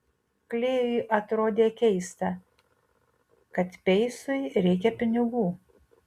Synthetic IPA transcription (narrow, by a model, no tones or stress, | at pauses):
klʲeːjʊʔɐt̪ɾoːd̪ʲeːkʲɛɪst̪ɐ | kɐt̪pʲɛɪsʊɪɾʲɛɪk̬ʲɛpʲɪnʲɪɡuː